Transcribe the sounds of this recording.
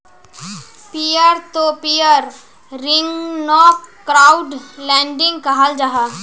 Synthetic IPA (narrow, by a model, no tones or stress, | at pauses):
pijəɾt̪opijəɾː | ɪŋɡnɔːkɾaːʊɖlɛ̃ːɳɖɪ̃ŋɡkɐɦald͡ʒaɦaː